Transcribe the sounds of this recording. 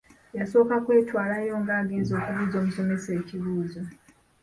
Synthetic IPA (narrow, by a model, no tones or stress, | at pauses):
jaso̞ːkakwe̞ːtwaːlajo̞ŋɡaːɡe̞ːnzo̞ːkuβuzo̞ːmuso̞me̞se̞ːciβuːzo